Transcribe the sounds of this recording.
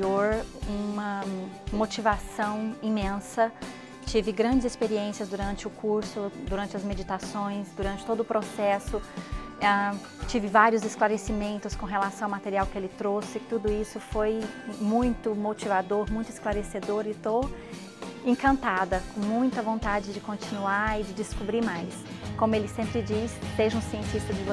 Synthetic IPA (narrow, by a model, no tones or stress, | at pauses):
oɾũmɐmot͡ʃivasɐ̃w̃ĩmẽsɐ | t͡ʃivɪɡɾɐ̃nd͡ʒɪzɪspeɾiẽsiɐzd̪uɾɐ̃nt͡ʃɪʊkuɾsʊd̪uɾɐ̃nt͡ʃɪɐzmed͡ʒit̪asõj̃sd̪uɾɐ̃nt͡ʃɪ̥od̪ʊʊpɾosɛsʊa | t͡ʃivɪvaɾiʊzɪsklaɾesimẽnt̪ʊskõɦelasɐ̃w̃awmat̪eɾiawkɪelɪt̪ɾosɪt̪ud̪ʊisʊfojmũj̃t̪ʊmot͡ʃivad̪oɾmũj̃t̪ɪsklaɾesed̪oɾɪt̪ow | ẽŋkɐ̃nt̪ad̪ɐkõmũj̃t̪ɐvõnt̪ad͡ʒɪd͡ʒɪkõnt͡ʃĩnuaɪd͡ʒɪd͡ʒɪskubɾimajs | kõmʊelɪsẽmpɾɪd͡ʒisd̪eʒɐ̃ũsiẽnt͡ʃist̪ɐd͡ʒɪvo